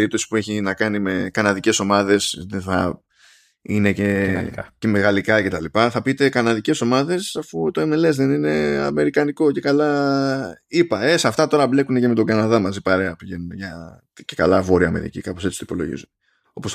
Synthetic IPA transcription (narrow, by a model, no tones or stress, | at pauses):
eɾip̚t̪o̞si̥pue̞çinɐkɐnime̞kɐnɐðice̞so̞mɐðe̞sðeθɐ̰ | ine̞cecemeɣɐlikɐce̞t̪ɐlipɐθɐpit̪e̞kɐnɐðice̞so̞mɐðe̞sɐfut̪o̞e̞mele̞zðe̞nine̞ɐ̰me̞ɾikɐniko̞ce̞kɐlɐ | ipɐe̞sɐft̪ɐt̪o̞ɾɐble̞kune̞ce̞me̞t̪̬o̞ɡɐnɐðɐmɐzipaɾe̞ɐpiʝe̞nunʝɐ | ce̞kɐlɐvo̞ɾiɐme̞̰ɾḭcḭkɐpose̞t͡sit̪ipo̞lo̞̰ʝḭzun | o̞pos